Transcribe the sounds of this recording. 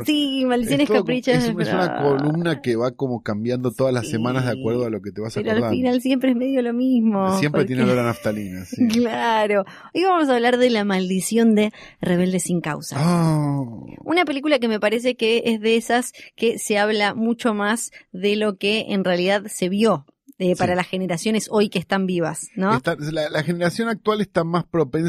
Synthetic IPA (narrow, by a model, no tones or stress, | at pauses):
simald̪issjoneskapɾit͡ʃasðeesunakolumnakeβako̞mo̞kambjand̪o̞t̪oðazlasːemãnazðeakweɾð̞oalo̞ket̪eβasaeɾoalfinalsjempɾeeɦme̞ðjo̞lomismosjempɾet̪jenelelanaft̪alinasklaɾo̞ | ojβaamos̬aβlaɾðelamald̪isjo̞nd̪e | re̞βe̞ld̪esiŋka̰wsa̰a | unape̞lik̬ulak̬e̞me̞paɾes̬e̞keezðeesaskeseaβlamut͡ʃo̞mazðelo̞keḛnrealiðaðse̞β̞jo̞ | epaɾalasxe̞neɾasjo̞ne̞so̞jkest̪ambiβ̞a̰snõst̪alalaxeneɾasjo̞nak̚t̪walest̪amaspɾo̞pẽn